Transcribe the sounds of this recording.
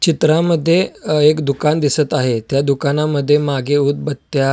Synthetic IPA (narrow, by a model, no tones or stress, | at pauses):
t͡ɕit̪ɾaməd̪ʱːjeekd̪ukand̪isət̪aɦet̪jad̪ukanaməd̪ʱːjemaɡeut̪̚bət̪ːja